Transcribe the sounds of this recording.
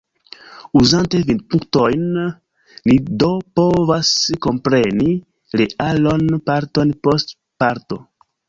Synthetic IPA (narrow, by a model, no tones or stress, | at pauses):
uzant̪evint̪puŋktojnː | idopovasko̞mpɾeni | ɾealonpaɾtonpost | paɾt̪o